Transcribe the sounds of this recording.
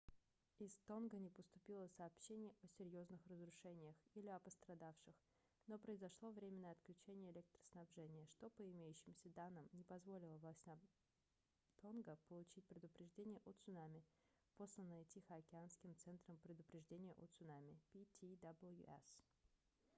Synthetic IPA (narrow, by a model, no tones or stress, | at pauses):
ɪst̪onɡənʲɪpəst̪ʊpʲilˠəsɐːpɕenʲɪjɐsʲɪɾʲjo̞znɨxrəzɾʊʂɛnʲɪjəxilʲɪɐpəst̪ɾɐd̪afʂɨx | no̞pɾəɪzɐʂlˠo̞vɾʲemʲɪnːəjəɐt̪klʲʉt͡ɕenʲɪjəɪlʲeɛk̚t̪ɾə̥snɐbʐɛnʲɪjəʂt̪o̞pəɪmʲejʉɕːɪmsʲəd̪anːɨmnʲɪpɐzvo̞lʲɪlˠəvlˠasʲt̪ʲna | t̪o̞nɡəpəlˠʊt͡ɕit̚ʲpɾʲɪd̪ʊpɾʲɪʐdʲenʲɪjəʔot̪sʊnamʲɪ | po̞slʲənətʲixəɐkʲɪanskʲɪmt̪sɛnt̪ɾəmpɾʲɪd̪ʊpɾʲɪʐdʲenʲɪjəʔot̪sʊnamʲɪpʲitʲid̪ablˠjṵʔɛ̰s